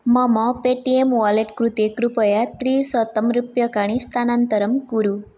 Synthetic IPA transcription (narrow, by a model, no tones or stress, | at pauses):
mamɔpeʈiemʋaleʈkɾut̪ekɾupəjat̪ɾisət̪əmɾupjəkaɽ̃ist̪ʰanant̪əɾəmɡuɾu